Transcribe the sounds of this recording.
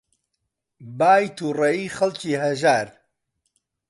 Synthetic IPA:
baːjt̪uːrɐiːχɐlciːɦɐʒaːɾ

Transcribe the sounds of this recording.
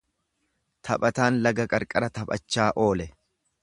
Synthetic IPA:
t̪ʰɐpʼɐt̪aːnlɐɡɐkʼɐɾkʼɐɾɐt̪ɐpʼɐ̰t͡ʃːaːʔo̞ːlɛ

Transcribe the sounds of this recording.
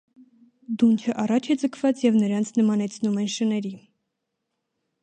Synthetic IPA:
d̪unt͡ʃʰəʔɑrɑt͡ʃʰɛd͡zəkʰvɑt͡sjɛvnəɾɑnt͡sʰnəmɑnɛt͡sʰnumɛnʃənɛɾi

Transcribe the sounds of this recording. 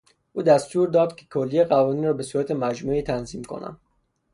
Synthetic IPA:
ʔuːd̪æst̪uːɾd̪ɒːd̪̥kʰekʰolːieɣævɒːniːnrɒːbe̞suːɾæt̪ʰemæd͡ʒmuiːt̪ʰænziːmkʰo̞̰næ̰m

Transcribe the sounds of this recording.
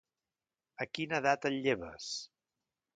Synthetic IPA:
əkinəðat̪əʎːeβə̰s

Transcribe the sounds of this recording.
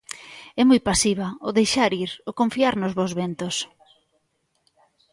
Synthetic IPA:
ɛmujpasiβ̞ɐʊðejʃaɾiɾokõɱfiaɾnʊzβowzβɛnt̪ʊs

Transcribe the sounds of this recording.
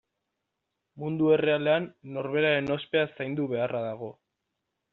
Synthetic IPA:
mund̪ue̞re̞ale̞anːo̞ɾβe̞ɾaɾe̞no̞spe̞asajnd̪uβe̞arʔaðaɣ̞o̞

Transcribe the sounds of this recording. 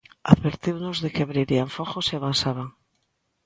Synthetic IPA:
a̰ðβeɾt̪iwnozðekeaβɾiɾiaɱfoxosiaβansaβ̞aŋ

